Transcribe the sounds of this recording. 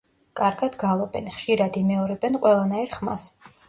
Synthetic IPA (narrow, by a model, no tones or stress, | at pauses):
kʼaɾɡad̪̥ɡalˠɔbɛnχʃiɾad̪imɛɔɾɛbɛnqʼwɛlˠanaiɾχma̰s